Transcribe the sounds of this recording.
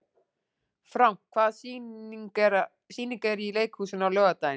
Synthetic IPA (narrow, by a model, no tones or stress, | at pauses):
fɾawm̥kkʰvaːðs | ɾ | siːniŋkɛɾileːjkhuːsɪnawlœːɣat̪ajɪ